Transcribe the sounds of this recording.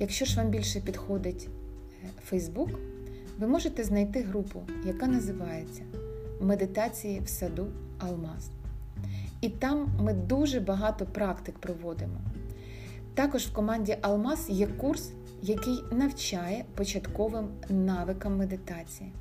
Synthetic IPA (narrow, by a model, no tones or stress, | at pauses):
jɐkʃt͡ʃɔʒʋɑmbʲilʲʃɛpʲid̪xɔd̪ɪtʲ | fɛjzbuk | ʋɪmɔʒet̪ɛznɐjt̪ɪɦɾupʊ̰jɐkɑnɐzɪʋɑjet͡sʲːɐmed̪ɪt̪ɑt͡sʲijiwsɐd̪u | ɐlˠmɑs | it̪ɑmːɪd̪uʒɛbɐɦɑt̪ɔpɾɑkt̪ɪkpɾɔʋɔd̪ɪmɔ̰ | t̪ɑkɔʒwkɔmɑnʲdʲiʔɐlˠmɑsjɛkurs | jɐkɪjnɐwt͡ʃɑjɛpɔt͡ʃɐt̪kɔʋɪmnɑʋɪkɐmːed̪ɪt̪ɑt͡sʲiji